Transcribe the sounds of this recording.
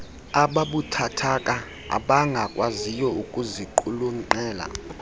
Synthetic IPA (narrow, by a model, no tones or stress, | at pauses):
aɓaɓutʰatʰakʼa | a̰ɓaŋɡʱakʼwazijɔukʼuziǃuluŋ͡ǃɛːla̰